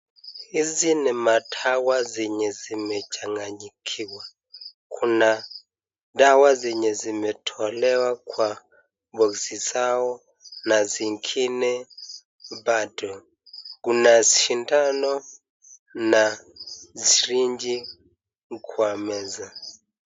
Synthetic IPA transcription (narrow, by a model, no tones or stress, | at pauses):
izinɛmatʰawaziɲɛzimɛd͡ʒʰaŋɡaɲikʰiwa | kʰuna | dawaziɲɛzimɛtʰɔlɛwakʰʼwa | bosisawɔ | naziŋkʰinɛ | badʼɔ | k̬unaziʃintʼanɔ | naziriɲd͡ʒi | kʰwamɛza